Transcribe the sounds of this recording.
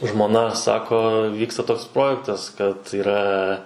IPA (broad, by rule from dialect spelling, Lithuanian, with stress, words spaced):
ʒmoːˈnɐ ˈsɑːkoː ˈʋʲiːkstɐ ˈtoːks ˈproːjɛktɐs kɐt iːˈrɐ